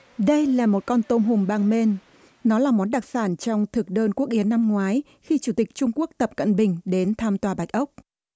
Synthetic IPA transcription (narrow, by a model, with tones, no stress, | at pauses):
ɗə˧jlaː˨˩mo˨˩t̚kɔ˧nt̪o˧mɦʊ˨˩ŋ͡mɓaː˧ŋme˧n | nɔ˨˦laː˨˩mɔ˨˦nɗa˨˩k̚saː˧˩nt͡ɕɔ˧wŋ͡mt̪ʰɨ˨˩k̚ɗəː˧nku˦˥ək̚ʔi˨˦ənːa˧mŋwaː˨˦j | xi˧t͡ɕu˧˩t̪ï˨˩k̚t͡ɕʊ˧ŋ͡mku˦˥ək̚t̪ə˨˩p̚kə̰˧˨nɓï˨˩ŋ̟ɗe˨˦nt̪ʰaː˧mt̪waː˨˩ɓa˨˩jk̚ʔə˦˥wk͡p̚